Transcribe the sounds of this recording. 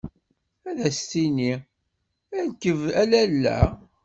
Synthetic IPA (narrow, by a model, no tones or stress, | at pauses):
æðæst̪ini | ænkːəvælælːæ̰